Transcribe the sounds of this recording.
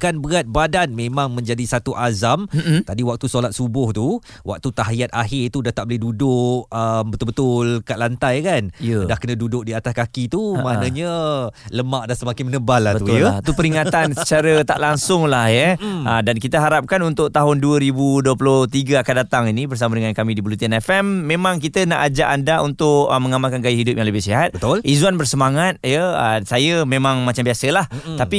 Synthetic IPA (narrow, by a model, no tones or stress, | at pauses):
kanbəɣat̪̚badanmẽmãŋmə̃ɲd͡ʒadisat̪uʔazamt̪adiwak̚t̪usolat̪̚subʊht̪u | wʔa̰k̚t̪ut̪aɦiat̪aɦɪt̪udaht̪aʔ̚bolɪhdudʊʔəmbət̪ʊlbət̪ʊlkaʔlant̪ajkanədahkənə̃dudʊk̚diat̪askakit̪umãʔnãɲələmaʔdahsəmakɪŋmənəbalːahət̪ut̪upəɾiŋat̪ansə̥t͡ʃaɾət̪a̰ʔlaŋsʊŋlahjəədankit̪əɦaɾap̚kanunt̪ʊʔ̚t̪aɦʊnduəɾibuduəpəlʊht̪iɡəakandat̪aŋinibərs̬amədəŋankamĩdibulut̪ianɛfɛmːẽmãŋk̬it̪ənaʔad͡ʒaʔandaunt̪ʊʔəməŋamalkanɡajaɦidʊp̚jãŋləbɪhsiɦat̪̚bət̪ʊlizuanbərsəmaŋat̪̚jəəsajəmẽmãŋmat͡ʃambiasəlah̪api